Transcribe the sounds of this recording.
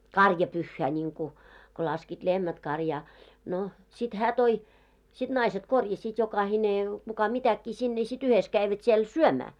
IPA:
kɑrjɑpyhːæː nʲiŋku ko lɑskiːt lehmæt kɑrjɑː no sit hæː toi sit nɑiset korjɑsiːt jokɑhine kukɑ mitækːiː sinːe sit yhes kæiʋæt siel syømæː

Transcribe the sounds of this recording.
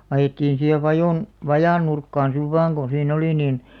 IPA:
ɑjetːiːn̞ siːheʋ ʋɑjoˑn ʋɑjɑˑn nurkːɑːn siʋ ʋɑːŋ ɡ̊o siːn oli niˑn

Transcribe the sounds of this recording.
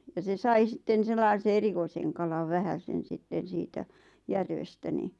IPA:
jɑ se sɑi sitːen selːɑise erikoiseŋ kɑlɑʋ ʋæhæsen̞ sitːen̞ siːtæ jærʋestæ ni

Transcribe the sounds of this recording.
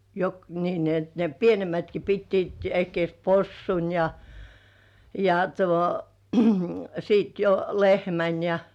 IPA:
jɑ jok niː ni et ne pienemætki pitːiːt ehkĭeˑs posːun jɑ jɑ tuo sit jo lehmæn jɑ

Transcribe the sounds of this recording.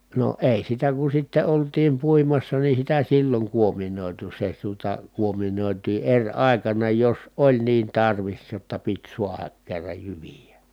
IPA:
no eˑi sitæ ku sitːe oltiːm puimɑsːɑ ni sitæ silːoŋ kuominoˑitu se tuotɑ kuominoˑitiː erʲ ɑˑi̯kɑnɑ jos olʲ niːn tɑrʋis jotːɑ pit suɑhɑk kerːɑj jyʋijæ

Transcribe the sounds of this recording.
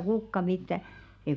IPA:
kukːɑ mitːæ ei

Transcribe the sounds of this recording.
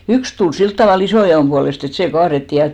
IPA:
yks tul silt tɑʋɑˑl isoˑjɑoˑm b̥uɑlest et seˑ kɑːretːiˑ jɑ

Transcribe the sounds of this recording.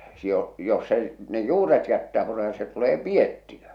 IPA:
si o jos se ne juːret jætːæː purem̥ɑ̥tɑ̥ se tuleː pietːiø

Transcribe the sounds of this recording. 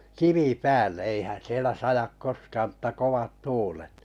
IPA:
kiʋi pæːlːe eihæn̞ sielæ sɑjɑk koskɑːm m̩tːɑ koʋɑt tuːlet

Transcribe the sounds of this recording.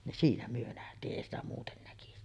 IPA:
nin siːnæ myø næhtiːʔ ʔeˑi stæ muːten nækisi

